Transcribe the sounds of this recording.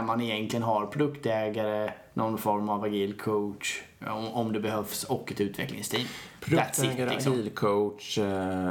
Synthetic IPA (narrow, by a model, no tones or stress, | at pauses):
manɪjɛnk̪lɪənɦaɾpʰɾʊd̪ɵkt̪ɛːɡaɾə | nʔɔnfɔɾmavaɡiːlkʰoʈʂ | ɔmd̪ɛbɛhœfsɔkːɛt̪ʉ̟ːt̪vɛ̰klɪ̰ŋst̪ʰiːnpʰɛt̪sɪlɪkɡsilkʰoʂ